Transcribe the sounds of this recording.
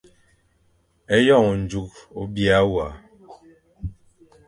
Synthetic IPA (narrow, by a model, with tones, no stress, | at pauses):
ɛ˦jɔ˦˨ŋ˨n̩˨d͡ʒu˨˦k̚o˦bja˦wa˨